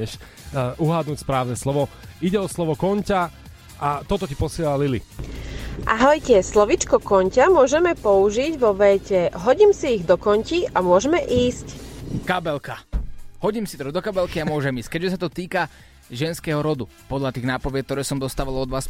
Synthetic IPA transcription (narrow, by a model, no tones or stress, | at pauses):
ɛʃ | ʔuɦad̪nuːcspɾaːʊnɛslɔʋɔiɟɛɔslɔʋɔkɔɲca | ʔat̪ɔt̪ɔcipɔsɪɛlalilḭ | ʔaɦɔjcɛslɔʋit͡ʃkɔkɔɲcamʊɔʒɛmɛpɔuʒiɟʋɔʋɛːcɛɦɔɟiːmsiːɣd̪ɔkɔɲciʔamʊɔʒɛmɛʔiːsckabɛlkahɔɟiːmsit̪ɔd̪ɔkabɛlkiamʊɔʒɛmiːsc̚kɛɟʒɛsat̪ɔt̪iːka | ʒɛnskɛɦɔɾɔd̪u | pɔd̪ʎat̪iːɣnaːpɔʋɪɛk̚t̪ɔɾɛːsɔmd̪ɔst̪aːʋalɔd̪ʋaːs